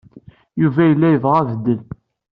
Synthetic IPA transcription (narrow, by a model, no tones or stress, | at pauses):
juvæjəlːæjəvʁævəd̪ːəl